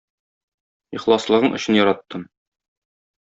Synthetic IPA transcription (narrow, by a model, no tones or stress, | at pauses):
iχlˠɑslˠɤ̆ʁɤɴɵ̆ɕɘ̆njɒɾɑt̪ːɤm